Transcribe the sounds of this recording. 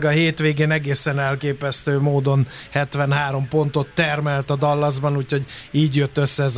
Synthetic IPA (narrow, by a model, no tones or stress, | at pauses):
ɡɒɦeːt̪ʋeːɡeːnɛɡeːsɛnɛlkeːpɛst̪øːmoːd̪o̞nhɛt̪ʋɛnɦaːɾo̞mpo̞nt̪o̞t̪ːɛrmɛlt̪ɒd̪ɒlːɒzbɒnuːcho̞ɟiːɟjøt̪ːø̞sːɛz